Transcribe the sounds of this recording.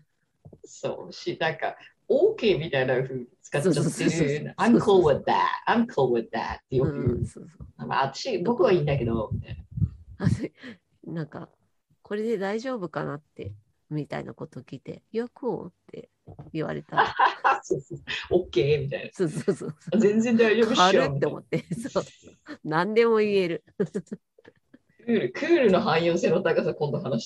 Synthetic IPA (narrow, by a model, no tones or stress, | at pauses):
so̰ːɕinãŋka̰ | oːke̞ːmʲit̪ainaɸɯ̟t͡sɨ̥kat̪ːooeãmkʰolwad̪æ̰tãmkʰowad̪æ̰t̪ːejoɯso̰ːsoːnãŋka̰ːt̪ḁɕibo̞kɯ̟βaĩnd̪ake̞d̪omʲit̪ainaaso | nãŋka̰ | kʰo̞ɾe̞d̪e̞d̪aiʑo̞ːbɯ̟kanat̪ːe̞̰ | mʲit̪a̰ḭnʔa̰ko̞t̪o̞kʲit̪e̞̰jokoo̰t̪ʰːe̞̰ | iβa̰ɾe̞̰t̪asosookːeːmʲit̪ainasoːsoːsoːsozẽ̞nd͡ze̞nd̪aiʑo̞ːbɯaɾɯmit̪ːeomo̞̰t̪ːesoonãnd̪e̞mo̞ie̞ɾɯ̟ | kɯɾɯ̟kʰɯːɾɯ̟no̞ɦãɰ̃jo̞ːse̞ːnot̪aɡas̬akõnd̪oɦanaɕi̥